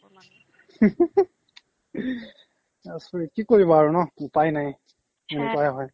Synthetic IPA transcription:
asɹikikoɹibɔaɹunɔupajnaj | enukɔajaɦɔj

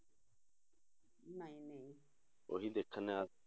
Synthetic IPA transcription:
nãĩnẽĩ | o̰ɦid̪ekʰanea

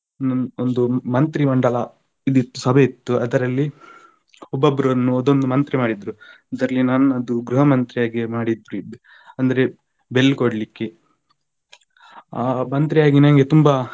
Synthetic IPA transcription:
nɐnond̪umɐnt̪ɾimɐɳɖɐlɐ | id̪it̪ːusɐbʱeit̪ːuɐd̪ɐɾɐlːi | ɔbːɐbːɐɾunːuɔd̪ond̪umɐnt̪ɾimaːɽid̪ɾu | ɐd̪ɐɾɐlːinaːnɐd̪uɡɾuɦɐmɐnt̪ɾijaːɡimaːɽid̪ɾu | ɐnd̪ɐɾe̞ | belːkoɽlikːe | aːmɐnt̪ɾijaːɡinɐnɡe̞t̪umba

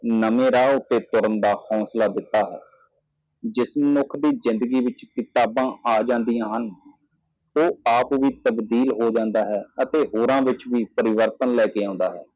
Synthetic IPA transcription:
nəmẽːɾaːʊt̪ːeːt̪ʊɾəmd̪aːhɔ̃ːslaːd̪ɪt̪ːaːɦɛ̰ː | d͡ʒɪsmənʊkʰd̪iːzɪ̃nd̪əɡiːʋɪt͡ʃkɪt̪aːbãːaːd͡ʒãːnd̪ijãːɦən | oːaːpʋiːt̪əbd̪iːlɦoːd͡ʒãːnd̪aːɦɛːət̪eːɦoːɾãːʋɪt͡ʃʋiːpəɾɪʋəɾt̪ənlɛːkeːãːnd̪aːɦɛ̰ː

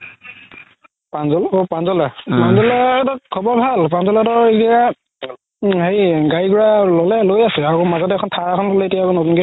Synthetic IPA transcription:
panzɔlopanzɔlapanzɔlaɛtakʰɔbɔɹbʱalpanzɔlatɔɹeɡia | hejɡaɹiɡuɹalɔlɛlojasɛaɹomazɔtɛkʰɔntʰaɹakʰɔnpɔlɛetijakɔnɔkunɡɛ

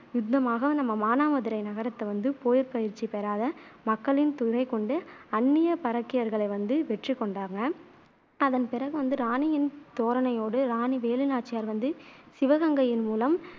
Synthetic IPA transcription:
jʊd̪ːɐmaːɣɐnɐmːɐmaːnaːmɐðɪɾɐɪnɐɣɐɾɐt̪ːɐʋɐnd̪ɯpoːjɪɾpɐjɪɾt͡ʃːipɛɾaːðɐmɐkːɐɭɪnt̪ʊɾɐɪkɔɳɖɯɐnːɪjɐpɐɾɐkːɪjɐɾɣɐɭɐɪʋɐnd̪ɯʋɛʈrikːɔɳɖaːŋɡɐ | ɐðɐnpɪɾɐɣɯʋɐnd̪ɯɾaːnɪjɪnt̪oːɾɐnɐjoːɽɯɾaːniʋeːlɯnaːʈ̚t͡ʃːɪjaːɾʋɐnd̪ɯsɪʋɐɣɐŋɡɐjɪnmuːlɐm

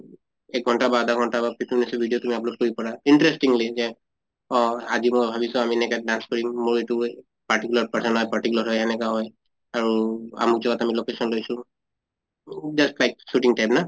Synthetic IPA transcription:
ɛk̚ɡʱɔntabad̪ʱaɡʱɔntabapitʰuminasɛbʱidiotumiaplok̚kːoɹipɔɹainɹɛstiŋlizɛ | ɔazimobʱabisʊ̃amiɛnɛkadanskɔɹimːoɹetu | paʈikulaɹpaɹsɔnɦɔjpaɹʈikulaɹɦɔjɛnɛkaɦɔj | aɹua̰muk̚zɔɡatamilokesɔnlojsʊ̃ | d͡ʒastlajk̚suʈĩŋtajpna

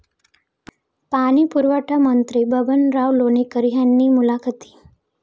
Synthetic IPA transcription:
paɽ̃iːpuɾʋəʈʰamənt̪ɾibəbənɾaʋlonikəɾɦjanːiːmulakʰət̪i̥ː

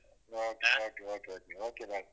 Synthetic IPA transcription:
okʰʼɛokʼɛokɛokɛokʰʼɛba

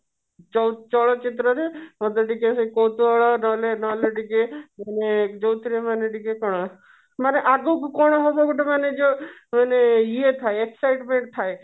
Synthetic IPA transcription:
t͡ʃɔt͡ʃɔɭɔt͡ʃit̪ɾɔɾemɔd̪ɔɖikesekowt̪uɔɭɔnɔlenɔleɖikemaned͡ʒowt̪ʰiɾemaneɖikekɔɽ̃ɔ | maneʔaɡokukɔɽ̃ɔɦɔbɔɡuʈʰemaned͡ʒomaneiet̪ʰaeeksajʈmeɳʈ̚t̪ʰae

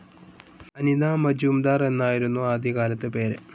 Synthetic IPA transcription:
ɐnid̪aːmɐd͡ʑuːmd̪aːre̞nːaːjiɾunːuaːd̪ʱikaːlɐt̪ːɨpe̞ːɾɨ

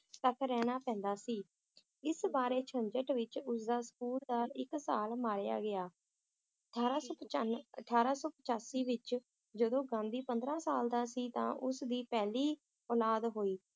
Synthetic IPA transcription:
t̪əkʰɾɛːñaːpɛ̃ːnd̪aːsiː | ɪsbaːɾeːt͡ʃʰəɲd͡ʒəʈʋɪt͡ʃʊs̬d̪aːsə̥kuːld̪aːlɪksaːlmaːɾja̰ːɡɪjaː | ʈʰaːɾːəəʈʰːaːɾaːsɔːpət͡ʃaːsiːʋɪt͡ʃ | d͡ʒəd̪õːɡãːnd̪iːpənd̪ɾãːsaːld̪aːsiːt̪ã̰ːʔʊsd̪iːpɛːliː | ɔːlaːd̪ɦoːiː

